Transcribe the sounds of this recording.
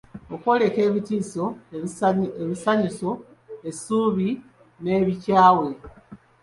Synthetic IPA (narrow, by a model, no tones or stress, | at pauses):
okwo̞ːle̞ke̞ːβitiːso̞ | eβisaɲiso̞ | e̞suːβi | ne̞ːβicaːwe̞